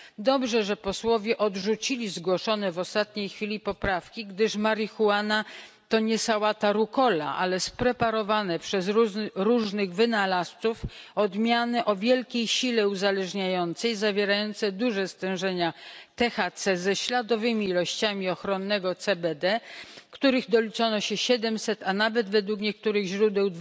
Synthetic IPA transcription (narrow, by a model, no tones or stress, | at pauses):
d̪ɔbʐɛʐɛpɔswɔvʲjɛʔɔd̪ʐut͡ɕilʲizɡwɔʂɔnɛvɔst̪at̪ɲejxfʲilʲipɔpɾafkʲiɡd̪ɘʂmaɾixuana | t̪ɔɲɛsawat̪aɾukɔla̰ʔa̰lɛspɾɛpaɾɔvanɛpʂɛzɾuʐnɘɣvɘnalast̪sufɔd̪mʲjanɘʔɔvʲjɛlkʲejɕilɛuzalɛʐɲajɔnt̪sɛjzavʲjeɾajɔnt̪sɛd̪uʐɛst̪ɛ̃w̃ʐɛɲat̪ɛxat̪sɛzɛɕlad̪ɔvɘmʲiːlɔɕt͡ɕamʲiɔxɾɔnːɛɡɔt̪sɛbɛd̪ɛkt̪uɾɘɣd̪ɔlʲit͡ʂɔnɔɕɛɕɛd̪ɛmsɛt̪anavɛd̪vɛd̪wukɲɛk̚t̪uɾɘɣʑɾud̪ɛwd̪